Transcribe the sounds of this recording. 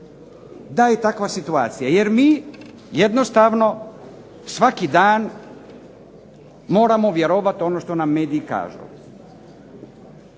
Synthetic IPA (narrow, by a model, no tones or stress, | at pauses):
d̪ajet̪akʋasit̪ua̰ːt̪sijajeɾmiː | jed̪no̞st̪aʋno̞ | sʋakid̪aːn | mo̞ːɾamoʋje̞ɾoʋat̪o̞noʃt̪o̞namːe̞ːd̪iːka̰ːʒṵ